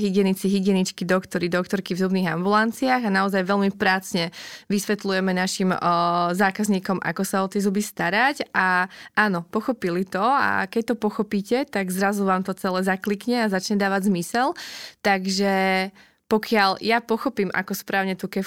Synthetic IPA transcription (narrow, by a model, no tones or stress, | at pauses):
ɦiɡɪɛnit͡siɦiɡɪɛnit͡ʃkid̪ɔkt̪ɔɾid̪ɔkt̪ɔɾkivzubniːɣambulant͡siaːɣanaɔzajʋɛlmipɾaːt͡sɲɛʋisʋɛt̪lujɛmɛnaʃimzaːkazɲiːkɔmʔa̰kɔsaɔt̪ɪjɛzubist̪aɾacaaːnɔpɔxɔpilit̪ɔa̰kɛc̚t̪ɔpɔxɔpiːcɛt̪aɡzɾazuʋaːmt̪ɔt͡sɛlɛːzaklikɲɛazat͡ʃɲɛd̪aːʋaɟzmisɛlt̪aɡʒɛ | pɔkɪaʎjapɔxɔpiːmʔa̰kɔspɾʔaːʊɲɛt̪ukɛ